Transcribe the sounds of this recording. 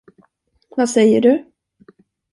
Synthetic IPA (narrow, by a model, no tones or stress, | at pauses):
vasɛjːəɖɵ